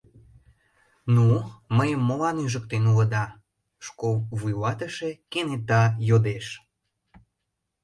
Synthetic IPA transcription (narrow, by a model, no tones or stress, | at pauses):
numəjəmːolɑnyʒək̚t̪enulə̆d̪ɑ | ʃkolβujβɑt̪əʃekenet̪ɑjod̪eʃ